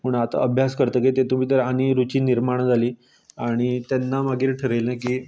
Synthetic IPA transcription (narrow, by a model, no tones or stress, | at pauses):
muɳat̪a̰əbʱjaskəɾt̪əːket̪et̪um̤iːt̪əɾañiɾut͡ɕiːniɾmaɳd͡zʱaliː | aɽ̃it̪anːamaɡiːɾʈʰəɾəjlnajkiː